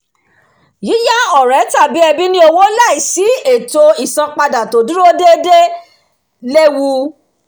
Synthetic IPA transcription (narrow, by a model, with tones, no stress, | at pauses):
ji˨˦ja˦ɔ˨ɾɛ˨˦ta˦˨bi˨˦ɛ˧bi˦nĩ˦o˧wo˦la˦˨i˨si˨˦e˨to˧i˨sã˧k͡pa˧da˨to˨du˦ɾo˦de˦de˦ | le˦wu˧˦